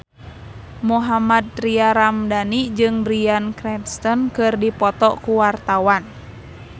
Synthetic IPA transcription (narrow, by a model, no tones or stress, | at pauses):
muɦamad̪̚riaɾamdanid͡ʒɨŋbɾiankɾɛnst̪ɔnkɨrdipɔt̪ɔkuwart̪awan